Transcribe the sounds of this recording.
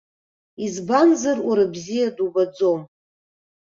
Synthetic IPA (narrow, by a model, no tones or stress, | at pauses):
izbanzarʔaɾabzijadubad͡zo̞m